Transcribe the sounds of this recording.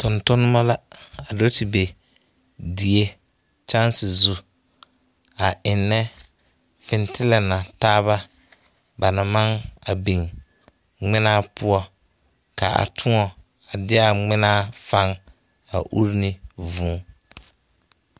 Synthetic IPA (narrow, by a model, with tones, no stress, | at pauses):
tʊ˨ntʊ˦nɪ˦ma˦la˦a˨do˦tɪ˨be˨ | di˨e˦ | t͡ʃa˦nsɪ˨zu˦ | a˨ʔɪ˨nːɛ˦ | fɪ˨ntɪ˦lɛ˨na˨taː˦βa˦ | ba˨na˨ma˦ŋa˨bi˨ŋ | ŋ͡mɪ˦na˦pʊ˦ɔ˦ | ka˨a̰˨tʰʊ˦ŋɔ˨ | a˨dɪ˦a˨ŋ͡mɪ˦naː˦fa˦ŋ | a̰˨ʔṵ˦ɾnɪ˦vũː˨˦